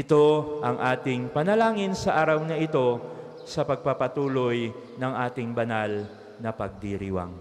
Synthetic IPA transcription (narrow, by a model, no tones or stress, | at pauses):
ʔɪt̪o̞ʔɐŋʔaːt̪ɪŋpɐnɐlaːŋɪnsɐʔaːɾɐwnɐʔɪt̪o̞ | sɐpɐɡ̚papɐt̪uːlo̞j | nɐŋʔaːt̪ɪŋbɐnal | nɐpɐɡ̚d̪iɾiwa̰ŋ